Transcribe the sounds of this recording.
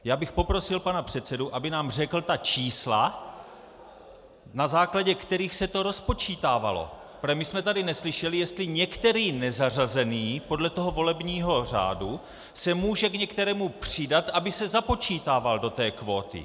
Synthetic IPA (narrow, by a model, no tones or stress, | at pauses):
jaːbɪxpo̞pɾo̞sɪlpanapr̝̥ɛt̪t͡sɛduʔabɪnaːmr̝ɛkl̩t̪at͡ʃiːsla | nazaːklaɟɛkt̪ɛɾiːxsɛt̪o̞ɾo̞spo̞t͡ʃiːt̪aːva̰lo̞̰ | pɾɛmɪsmɛt̪adɪnɛslɪʃɛlɪjɛst̪lɪɲɛkt̪ɛɾiːnɛzarazɛniːpo̞dlɛt̪o̞ɦo̞vo̞lɛbɲiːɦo̞r̝a̰ːdu | sɛmuːʒɛkɲɛkt̪ɛɾɛːmupr̝̥ɪdat̪ʔabɪsɛzapo̞t͡ʃiːt̪aːvaldo̞t̪ɛːkvo̞ːt̪ɪ̰